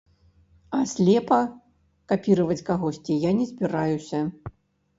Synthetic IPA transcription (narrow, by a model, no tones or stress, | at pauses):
ɐsʲlʲɛpɐ | kapʲiɾɐvɐt͡sʲkaɣɔsʲt͡sʲijanʲɛzʲbʲiɾajusʲɐ